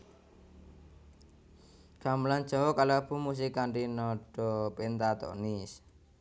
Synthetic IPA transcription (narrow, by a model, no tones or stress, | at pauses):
ɡ̥a̤mlan̥d͡ʒ̥awɔkalapumus̬ikaɳɾinɔɖ̥ɔpent̪at̪ɔ̰nis